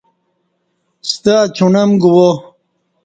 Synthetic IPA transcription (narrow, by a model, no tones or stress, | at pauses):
st̪at͡ɕʰunɐmɡuwo